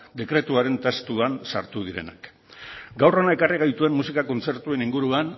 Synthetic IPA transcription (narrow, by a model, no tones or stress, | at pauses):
d̪e̞kɾe̞t̪uaɾe̞nt̪est̪uansa̰ɾt̪uð̞iɾe̞̰na̰k | ɡawro̞nae̞kariɣ̞ajt̪ue̞mːusikako̞nt͡se̞ɾt̪ue̞niŋɡuɾuan